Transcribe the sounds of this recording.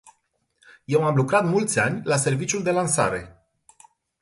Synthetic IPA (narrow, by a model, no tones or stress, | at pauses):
je̞wamlukɾat̪mult̪sʲanʲlase̞rvit͡ʃjuld̪e̞lansa̰ɾe̞̰